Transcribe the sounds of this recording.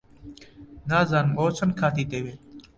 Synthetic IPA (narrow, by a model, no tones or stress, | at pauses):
naːzaːnmoːsʰənkʰaːt̪ʰiːt̪eːʋeː